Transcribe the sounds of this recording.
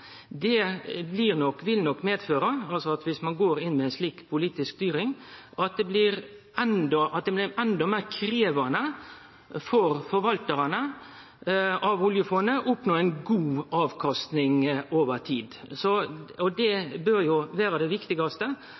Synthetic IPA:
d̪ɛblɪɾnɔkːʋɪlnɔkːmeːd̪føːɾɑɑlsɔɑt̪ʋɪsmɑnɡoːɾɪnmɛːɪnsliːkpʰʊliːt̪ɪskst̪yːɾɪŋʔɑt̪̚d̪ɛblɪɾ | ɛnd̪ɔʔɑt̪̚d̪ɛblɪɾɛnd̪ɔmeːɾkʰɾeːʋɑnə | fɔɾfɔɾʋɑlt̪əɾɑnə | ʔɑʋʊljəfɔnəʔɔpnoːɛɪnɡuːɑːʋkʰɑst̪nɪŋoːʋəɾt̪ʰiːd̪sɔɔd̪ɛbøɾjʊʋæːɾɑd̪ɛʋɪkt̪ɪɡɑst̪ə

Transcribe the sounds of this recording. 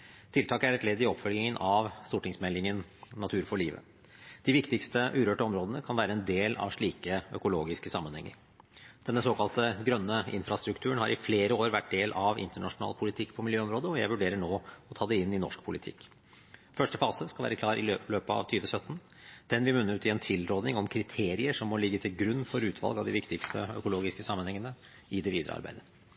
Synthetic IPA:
t̪ʰɪlt̪ɑːkəæɾɛt̪lɛd̪ːɪɔpfœlɪŋənʔɑʋst̪uːʈɪŋsmɛlːɪŋənnːɑt̪ʰʉːɾfɔɭiːʋə̰ | d̪̥ɪʋɪkt̪ɪkst̪əʔʉːɾøːʈəɔmɾoːd̪ənəkʰɑnʋæːɾəɛnd̪eːlɑ̰ʋʂɭiːkəœ̰kʊloːɡɪskəsɑmːənhɛ̰ŋːə̰ɾ | d̪ɛnːəsoːkʰɑlt̪əɡɾœnːəɪ̰nfɾɑst̪ɾʉk̚t̪ʰʉːəɳhɑɾʔɪfleːɾəoːɾʋæʈ̚d̪eːlʔɑʋɪ̰nt̪əɳɑʂʊnɑ̰ːlpʰʊlɪt̪ʰɪkːpʰɔmɪljøːɔmɾoːd̪əɔjæɪʋʉɖeːɾəɳoːɔt̪ʰɑːd̪ɛɪnːɪnɔ̰ʂkpʰʊlɪt̪ʰɪ̰kː | fœʂʈəfɑːsəskɑlʋæ̰ːɾəkʰlɑːɾʔɪløːpəɑ̰ʋt̪ʰyːʋəsœt̪ːn̩ | d̪̥ɛnʋɪmʉnəʉːt̪ɪɛnt̪ʰɪlɾoːd̪nɪŋɔmkʰɾɪt̪ʰeːɾɪəʂɔmːɔlɪɡːət̪ʰɪlɡɾʉnːfɔɾʉːt̪ʰʋɑ̰lɡɑʋd̪ɪʋɪkt̪ɪkst̪ʰəœkʊloːɡɪskəsɑmːənhɛŋːənə | ɪd̪ɛʋiːd̪ɾə̰ɑ̰ɾbæ̰ɪd̪ə

